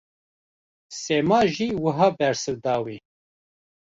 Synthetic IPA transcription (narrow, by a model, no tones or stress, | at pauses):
semɑːʒiːwəɦɑːbɛɾsɨwd̪ɑːwi